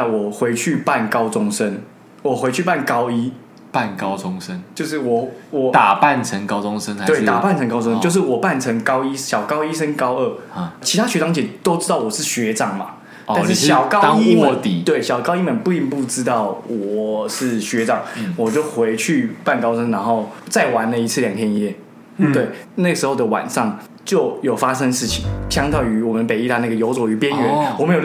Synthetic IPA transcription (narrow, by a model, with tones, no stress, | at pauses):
wɔ˨˩xwe˧˦ɪt͡ɕʰy˥˧pa˥˩nkɑ˦ʊt͡sʊ˦˥ŋsə˦n | wɔ˨˩xwe˧˥ɪt͡ɕʰy˥˧pa˥˨˩nkɑ˥ʊi˦ | pa˥˨nkɑ˥ʊt͡sʊ˦ŋsə˦nt͡ɕjo˥˧ʊʂ̬ɻ̩˥˩wɔ˨˩wɔ˨˩t̪a˨˩pa˥˩nt͡sʰə˧˦ŋkɑ˥ʊt͡sʊ˦ŋsə˦na˧˦we˥˩t̪a˨˩pa˥˩nt͡sʰə˧ŋkɑ˥t͡sʊ˥ŋ˥t͡ɕo˥˧ʊʂ̬ɻ̩˥˩wɔ˨˩pa˥˩nʈ͡ʂʰə˧˥ŋkɑ˥ʊi˦˥ɕjɑ˨˩ʊkɑ˥ʊi˦ʂə˦nkɑ˥ʊə˥˩t͡ɕʰi˧˥t̪ʰa˥ɕɥɛ˧˥ʈ͡ʂɑ˨˥ŋt͡ɕʰjɛ˨˩t̪o˥ʊt͡sɻ̩˥t̪ɑ˥˩ʊwɔ˨˩ʂɻ̩˥˩ɕɥɛ˧˦ʈ͡ʂɑ˨˩ŋma̰˩ | ta˥˧ʂɻ̩˥˩ɕjɑ˨˩ʊkɑ˥i˥˧m˧˨˧t̪i˨˩t̪we˥˩ɪɕjɑ˨˩ʊkɑ˥ʊi˥˩mə˨npu˥˧i˥˧ŋpu˥˩ʈ͡ʂɻ̩˥t̪ɑ˥˩ʊwɔ˨˩ʂɻ̩˥˩ɕɥɛ˧˥ʈ͡ʂɑ˨˩ŋwɔ˨˩t͡ɕjo˥˩ʊxwe˧˥ɪt͡ɕʰy˥˧pa˥˩nkɑ˥ʊʂə˥ŋna˧˥nxo˥˩ʊt͡sa˥˩ɪwa˧˦nlə˨i˧˥t͡s̩ʰ˥˩ljɑ˨˩ŋt̪ʰjɛ˥ni˧jɛ˥˩ | t̪we˥˩ɪna˥˩ɡə˩ʂɻ̩˧˥xo˥˩ʊd̪ə˩wa̰˨˩nʂɑ˥˩ŋ | t͡ɕjo˥˩ʊjo˨˩ʊfa˥ʂə˦ŋʂɻ̩˥˩t͡ɕʰi˨˩ŋt͡ɕʰjɑ˥ŋt̪jɑ˥˩ʊy˧˥wɔ˨˩mə˨˦npe˨˩ɪi˥t̪a˥˦n˥˩ɡə˩jo˧˥ʊt͡swɔ˨˩y˧˥pjɛ˦nɥɛ˧˦nwɔ˨me˧˥j